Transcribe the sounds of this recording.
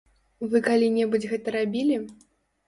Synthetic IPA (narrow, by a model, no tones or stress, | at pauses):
vɨkalʲinʲɛbud͡zʲɣɛt̪ɐɾabʲilʲi